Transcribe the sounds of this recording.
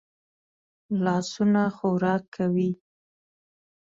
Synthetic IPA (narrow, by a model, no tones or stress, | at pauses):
lɑsunaxoɾɑkʰːawi